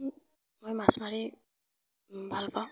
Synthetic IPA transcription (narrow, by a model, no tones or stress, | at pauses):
mojmasmaɹi | bʱalpa